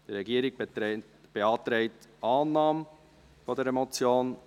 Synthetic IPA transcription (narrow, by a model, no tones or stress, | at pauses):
d̥əɾɛɡiəɾɪɡ̚ | b̥eɑːt̪ɾɛɪtɑːnːɑːm | fɔdɛɾɛmɔt͡sjoːn